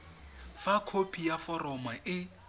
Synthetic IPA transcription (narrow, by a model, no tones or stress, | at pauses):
fakʰopʰijafɔrɔmaʔɪ